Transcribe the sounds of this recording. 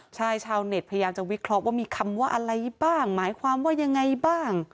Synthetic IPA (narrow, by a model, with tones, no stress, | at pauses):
t͡ɕʰaː˧˥˩jt͡ɕʰaː˧wne˨˩t̪̚pʰa˧ja˧jaː˧mt͡ɕa˨˩wi˦˥kʰɾɔ˦˥ʔwaː˥˩miː˧kʰa˧mwaː˥˩ʔa˧ɾa˧jbaː˥˩ŋmaː˩˦jkʰwaː˧mwaː˥˩ja˧ŋːa˧jbaː˥˩ŋ